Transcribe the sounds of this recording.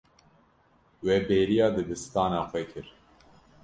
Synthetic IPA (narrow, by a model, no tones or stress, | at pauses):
wɛbeːɾijɑːd̪ɨbɨst̪ɑːnɑːxʷɛkʰɨɾ